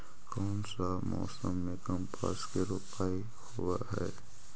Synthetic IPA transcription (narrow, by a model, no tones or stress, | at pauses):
kɔːnsamɔ̰ːsəmːẽkəmpʰa̰skeɾupaːi | howaɦɛː